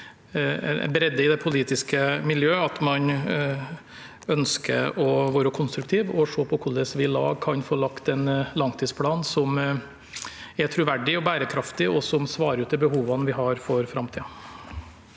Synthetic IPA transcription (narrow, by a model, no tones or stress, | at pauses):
bɾɛd̪ːəɪd̪ɛpʰʊliːt̪ɪskəmɪljøːɑt̪mɑn | œnskə̰ɔʋoːɾəkʰʊnst̪ɾʉkt̪ʰiːʋɔʂoːpʰɔkʰʊld̪əsʋɪlɑ̰ːɡ̚kʰɑnfoːlɑkt̪ɛnlɑŋt̪ʰiːspʰlɑːnsɔm | ɛt̪ʰɾʉʋæɖɪɔbæːɾəkʰɾɑft̪ɪɔsɔmsʋɑːɾəɾʉːt̪̚d̪ɛbəɦuːʋɑnʋɪɦɑɾfɔɾfɾɑmt̪ʰiːɑ